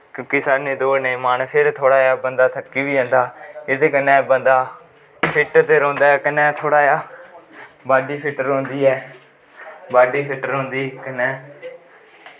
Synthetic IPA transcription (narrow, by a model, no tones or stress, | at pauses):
kjõːkisaːnẽːd̪oːnẽĩːmaːnpʰɪɾt̪ʰoːɽaːjaːbənd̪aːt̪ʰəkːiːbiːɦõːnd̪aːɪt̪eːkənːɛːbənd̪aː | pʰɪʈt̪eːɾõːnd̪aːɛːkɪnɛːt̪ʰoːɽaːjaː | baːɖiːpʰɪʈːəɾõːnd̪iːɛː | baːɖiːpʰɪʈːəɾɦoʊ̃ːnd̪iːkənɛ̃ː